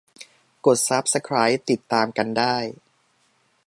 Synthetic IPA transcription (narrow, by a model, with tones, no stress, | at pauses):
ko˨˩t̪̚sa˦˥p̚sa˧kʰɾaː˦˥jt̪i˨˩t̪ːaː˧mka˧ndaː˥˩j